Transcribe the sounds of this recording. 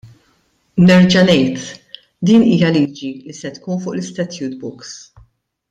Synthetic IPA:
nɛɾd͡ʒɐnɛjt̪ | d̪iːniːjɐliːd͡ʒilisɛt̪kuːnfʊːʔlɪst̪ɛt̪juːt̪bʊks

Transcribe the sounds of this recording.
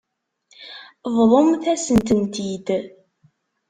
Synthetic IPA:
vlˤomθæsənt̪ənt̪id̪

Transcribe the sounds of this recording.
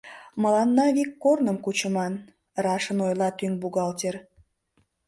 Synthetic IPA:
məlɑnːɑβikːornəmkut͡ɕəmɑn | rɑʃənojlɑt̪yŋbuɣɑlt̪ʲer

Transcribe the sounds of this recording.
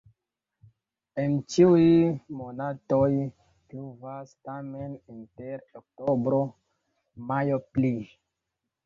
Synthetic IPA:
ent͡ʃiujmonatoj | pluvastameninteɾok̚tobɾo | majopli

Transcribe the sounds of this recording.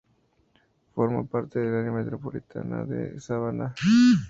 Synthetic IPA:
foɾma̰paɾt̪eðelanjamet̪ɾopolit̪ʰa̰na̰ðḛsaβana

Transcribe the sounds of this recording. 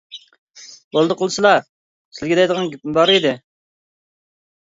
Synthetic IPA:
bolˠd̪əqʰəlˠɨsɨlˠɑ | sɪlɡʲɪd̪ɛjd̪əʁɑnɡʲyp̚mɪbɑɾid̪ɪ

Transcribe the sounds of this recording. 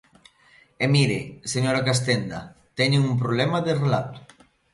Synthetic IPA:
emiɾḛseɲoɾakas̬t̪end̪a̰t̪ɛɲeŋump̬ɾoβlɛmaðerelat̪ʊ̥

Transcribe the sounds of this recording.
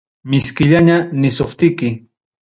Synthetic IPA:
mɪskɪʎaɲanɪsʊχt̪ɪkɪ

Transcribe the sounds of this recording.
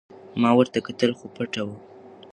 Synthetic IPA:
mɑwəɾt̪akat̪əlxopəʈawu

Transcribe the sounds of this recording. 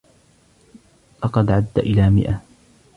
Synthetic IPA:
lɑqɑd̪ʕad̪ːaʔɪlaːmɪ̰ʔa

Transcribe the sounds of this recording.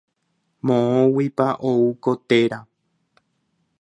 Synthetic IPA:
mõõwipaʔouko̞t̪eɾa

